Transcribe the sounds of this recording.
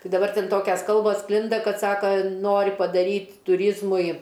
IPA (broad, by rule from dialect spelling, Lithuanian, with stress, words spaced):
ˈtɐɪ dɐˈbɐr ˈtʲɛn ˈtoːkʲɛs ˈkɐlˠboːs ˈsklʲɪndɐ ˈkɐt ˈsɑːkɐ ˈnoːrʲɪ pɐˈdɑːrʲiːt tʊˈrʲiːzmʊɪ